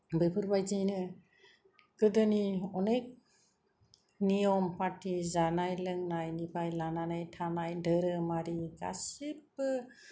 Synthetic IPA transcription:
bepʰɯɾbajd͡ʒijnɯ | ɡɯdɯniɔnek̚ | nijɔmpatʰizanajlɯŋnajnipʰajlananajtʰanajdəɾɯmaɾiɡa̰sip̚

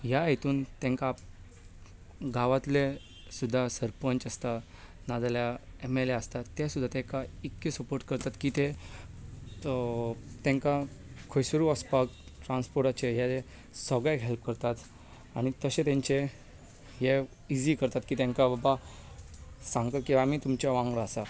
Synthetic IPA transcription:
ɦjaɦet̪uːnt̪ɛ̃ŋka | ɡaʋat̪le | sud̪ʱːasəɾpəɲt͡ɕəst̪a | nad͡zaljaemeleəst̪at̪ɛsud̪ʱːat̪ɛ̃kaikːesəpoɾʈ̚kəɾt̪at̪kit̪e | t̪ɛ̃ŋka | kʰojsəɾuəspakʈɾãnspoɾʈat͡ɕejale | səɡɭekɦelp̚kəɾt̪at̪ | aɽ̃it̪əɕẽt̪ãɲt͡ɕe | je | id͡ʑikəɾt̪at̪kiːt̪ãŋkababa | sãŋɡt̪at̪kĩw̃ʋamiːt̪umt͡ɕjaʋãŋɡɾaəsa

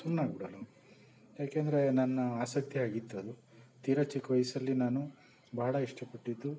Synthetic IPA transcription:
sunːaːɡbiɽɐlɐ | jaːkeːnd̪ɐɾe̞nɐnːɐaːsɐk̚t̪iaːɡit̪ːɐd̪u | t̪iːɾɐt͡ʃikʋɐjɐsɐlːinaːnu | bʱaːɽɐiʂʈɐpɐʈːid̪ːu

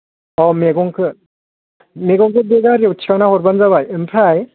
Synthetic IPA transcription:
ɔmeɡɔŋkʰɯ | meɡɔŋkʰɯbeɡaɾjewtʰiɾanahɔɾbanzaβajɯmpʰaj

